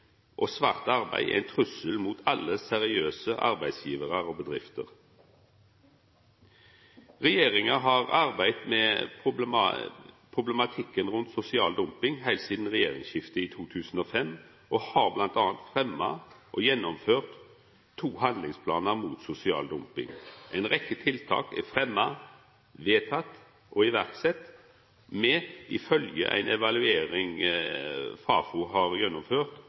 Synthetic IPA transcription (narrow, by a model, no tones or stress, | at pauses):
ʔoːsʋɑːʁt̪ɑʁbæ̰ɪ̰æ̰ɪnt̪ʰʁʉsəlmuːt̪ʰɑlːəsɛʁɪøːsəʔɑ̰ʁbæɪd̪sjiːʋəʁəʁoːbəd̪ʁɪft̪ə̰ʁ | ʁɛjeːʁɪŋɑɦɑːʁɑʁbæɪt̪mḛːpʊ̰ | pʰʁʊblɛmɑt̪ʰɪkːənʁʉnt̪sʊsɪɑːld̪ʊmpɪŋhæɪlsiːd̪n̩ʁɛjeːʁɪ̰ŋʃɪft̪əiːt̪ʰuːt̪ʰʉːsn̩oːfɛm | ʔɔhɑːɾblɑnt̪ɑːnt̪fɾɛmːɑ̰ʔɔjɛnːɔmføːʁt̪ʰː | uːhɑnd̪lɪŋspʰlɑ̰ːnəɾmuːt̪sʊsɪɑ̰ːld̪ʊmpɪ̰ŋʔæɪnʁɛkːət̪ʰɪlt̪ʰɑ̰ːkɛ̰fɾɛmːɑ | ʋeːt̪ʰɑt̪ː | ʔɔɪʋæʁt̪sɛt̪ː | mɛʔɪfœljə̰ʔæ̰ɪnʔɛʋɑlʉeːɾɪŋ | fɑːfʊɦɑːɾjɛnːɔmføːʁt̪